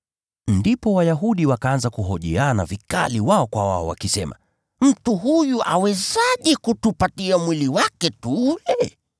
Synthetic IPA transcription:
ndipɔwajaɦuɗiwakaanzakuɦɔʄɛ̰ana̰vika̰liwaɔkwawaɔwa̰kisɛma̰ | m̩tuɦujuʔawɛzaʄɛkutupatiamwiliwakɛtulɛ

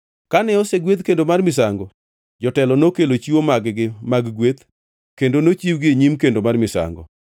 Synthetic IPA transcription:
kanɛɔseɡwet̪kendomarmɪsaŋɡɔ | d͡ʒɔtɛlɔnokelot͡ʃiwomaɡɡɪmaɡɡwet̪ | kendonot͡ʃiwɡɪeɲimkendomarmɪsa̰ŋɡɔ̰

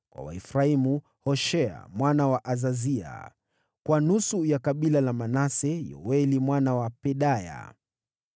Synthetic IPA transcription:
kwa̰wa̰ifɾaimu | hɔʃɛa̰mwanawaʔazazia̰ | kwanusujakaɓilalamanasɛjɔ̰wɛlimwanawapɛɗaja̰

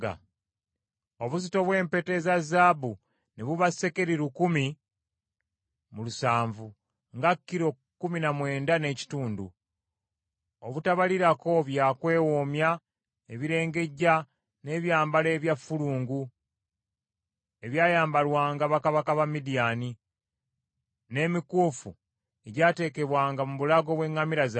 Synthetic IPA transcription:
a̰ | o̞βuzito̞βwe̞ːmpe̞te̞zazaːbu | neβuβase̞ke̞ɾiɾukumi | mulusaːɱvu | ŋɡakːiɾo̞ | kːuminamwe̞ːndane̞ci̥tuːndṵ | oβutaβaliɾako̞βjaːkwe̞ːwomja | eβiɾe̞ːŋɡe̞ɟa | ne̞ːβjaːmbale̞ːβjafuluːŋɡu | e̞βjaːjaːmbalwaːŋɡaβakaβakaβamidiaːni | ne̞ːmikuːfṵ | e̞ɟaːte̞ːke̞βwaːŋɡamuβulaɡo̞βwe̞ŋːamiɾaz

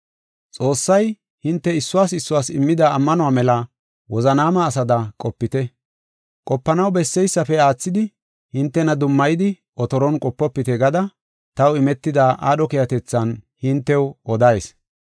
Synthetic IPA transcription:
t͡sʼo̞ːsːɐj | hɪnt̪ːɛɪsːʊwaːsɪsːʊwaːsɪmːɪd̪aːmːɐnʊwaːmɛlɐ | wɔzɐnaːmɐːsɐd̪ɐkʼɔpːɪt̪ɛ | kʼɔpːɐnɐwbɛsːɛjsːɐfɛaːt͡sːɪd̪ɪ | hɪnt̪ːɛnɐd̪ʊmːɐjɪd̪ɪ | ʔɔt̪ɔɾɔnkʼɔpːɔpːɪt̪ɛɡɐd̪ɐ | t̪ɐwɪmɛt̪ːɪd̪aːʔa̰ːɗɔkɪjɐt̪ɛt͡sːɐnhɪnt̪ːɛwɔd̪ɐjs

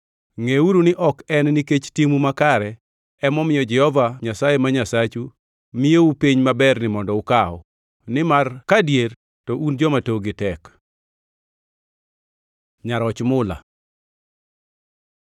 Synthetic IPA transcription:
ŋeuɾunɪʔɔkɛnːiket͡ʃtimumakaɾɛ | ɛmɔmɪjɔd͡ʒɛhɔvaɲasajemaɲasat͡ʃu | mɪjeupiɲmabɛrnɪmɔndɔʊkaɔ̰ | nɪmarkadjeɾ | tɔʔund͡ʒɔmatoɡɪtɛk | ɲaɾɔt͡ʃmʊla̰

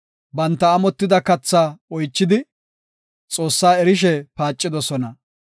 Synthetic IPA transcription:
bɐnt̪ːɐːmɔt̪ːɪd̪ɐkɐt͡sːaɔjt͡ʃːɪd̪ɪ | t͡sʼoːsːaːɛɾɪʃ̬ɛpaːt͡ʃʼːɪd̪ɔsɔnɐ

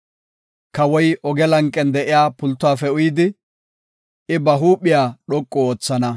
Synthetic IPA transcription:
kɐwɔjɔɡɛlɐŋkʼːɛnd̪ɛʔɪjaːpʊlt̪ːʊwaːfɛʊjɪd̪ɪ | ɪbɐɦuːpːɪjaːɗɔkʼːɔoːt͡sːɐnɐ

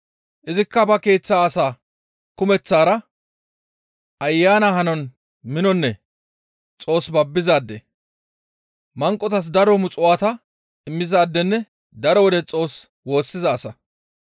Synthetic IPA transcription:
ʔɪzɪkːɐbɐke̞ːt͡sːaːsaː | kʊmɛt͡sːaːɾɐ | ʔɐjːaːnahɐnɔn | mɪnɔnːɛ | t͡sʼo̞ːsbɐbːɪzaːd̪ːɛ | mɐŋkʼːɔt̪ɐs̬d̪ɐɾɔmʊt͡sʼʊwaːt̪ɐ | ɪmːɪzaːd̪ːɛnːɛ | d̪ɐɾɔwɔd̪ɛt͡sʼo̞ːs | wo̞ːsːɪzɐːsɐ

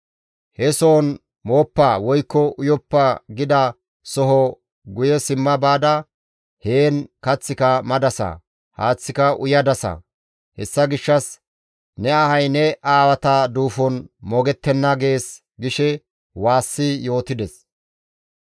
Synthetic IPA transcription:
hɛso̞ːn | moːpːawɔjkːɔʊjɔpːɐɡɪd̪ɐ | sɔɦɔ | ɡʊjɛsɪmːɐbaːd̪ɐ | heːnkɐt͡sːɪkɐmɐd̪ɐsɐ̰ | ha̰ːt͡sːɪkɐʔʊjɐd̪ɐsɐ̰ | hɛsːɐɡɪʃːɐs | nɛɐhɐjnɛʔaːwɐt̪ɐd̪uːfɔnmɔɡɛt̪ːɛnːɐɡe̞ːs | ɡɪʃɛ | waːsːɪjo̞ːt̪ɪd̪ɛs

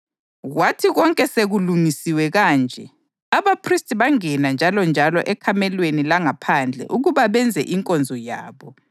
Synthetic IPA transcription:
ɣwatʰiɣɔŋkʼɛseɣulumisiwɛɣaːnd͡ʒʱɛ | aβapʰristʰʼiβaŋɛnand͡ʒʱalɔnd͡ʒʱalɔʔɛkʰamɛlwenilaŋapʰand͡ɮʱɛ̰ʔuɣuβaβɛnd͡zʱɛ̰ʔiŋkʼɔnd͡zʱɔja̰ːβɔ

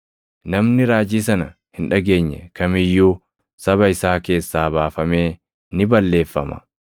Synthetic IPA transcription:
nɐmnɪɾaːd͡ʒiːsɐnɐ | hɪnᶑɐɡe̞ːɲːɛ̰kɐmɪjːuː | sɐβɐɪsaːke̞ːsːaːbaːfɐme̞ː | nɪbɐlːe̞ːfːɐ̰mɐ̥̰

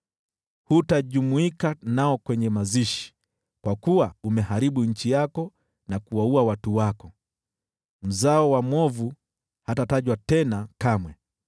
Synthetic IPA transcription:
hutaʄumuikanaɔkwɛɲɛmaziʃi̥ | kwakuwaumɛhaɾiɓuɲ̩t͡ʃijakɔ | nakuwauawatuwakɔ | m̩zaɔwamwɔvu | hatataʄwatɛnakamwɛ

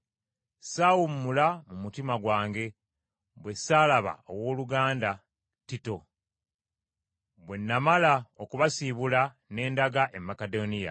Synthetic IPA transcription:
sawumːulamumutimaɡwaːŋɡe̞ | βwe̞saːlaβa̰o̞̰wo̞ːluɡaːnda | tito̞ | βwe̞nːamalaokuβasiβula | ne̞ːndaɡaʔe̞mːakedonija̰

